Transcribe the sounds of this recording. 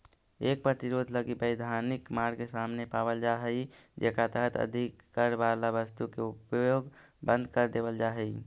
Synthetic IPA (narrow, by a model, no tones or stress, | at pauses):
ek̚pɾət̪iɾod̪ʱləɡibəɪd̪ʱanikmaɡkesamnepabəld͡ʒaɦəjd͡ʒekat̪əɦət̪ə̰d̪ʱikːəɾbaɾlabəst̪ukeupjoɡ | bə̃nd̪ʱkəɾd̪ebəld͡ʒaɦɛj